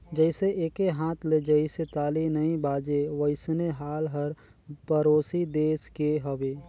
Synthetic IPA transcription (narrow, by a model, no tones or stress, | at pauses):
d͡ʒəɪseʔeːkeɦãːt̪ʰled͡ʒəiset̪aːlinɐĩbaːd͡ʒeʋəɪsneɦaːlɦəɾ | pəɾoːsid̪eːskeɦəweː